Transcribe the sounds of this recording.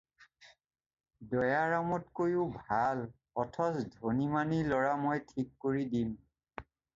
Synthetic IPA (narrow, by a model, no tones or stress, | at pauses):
dɔjaɹamɔtkojʊbʱal | ɔtʰɔsdʱonimanilɔɹamojtʰikːoɹidim